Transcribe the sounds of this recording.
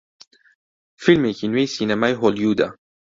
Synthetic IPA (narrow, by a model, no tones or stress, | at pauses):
filmekinwejsinɛmajɦɔljud̪a̰